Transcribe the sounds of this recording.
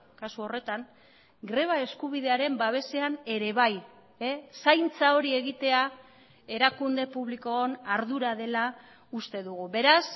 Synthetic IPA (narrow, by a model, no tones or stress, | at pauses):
kasuo̞re̞t̪aŋ | ɡɾe̞β̞ae̞skuβ̞iðe̞aɾe̞mbaβ̞e̞se̞ane̞ɾe̞β̞aj | esajnt͡sao̞ɾie̞ɣ̞it̪e̞a | e̞ɾakund̪e̞puβliko̞onaɾðuɾaðe̞la | ust̪e̞ðuɣuβe̞ɾas